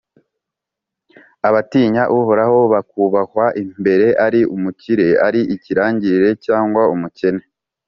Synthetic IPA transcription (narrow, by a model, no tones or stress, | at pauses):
aβatiːɲaʔuɦo̞ɾaɦo̞βakuβakwaʔimbe̞ɾe̞ʔaɾiumuciɾe̞aɾiʔiciɾaːɲɟiɾiɾe̞caːŋɡwaumuce̞ne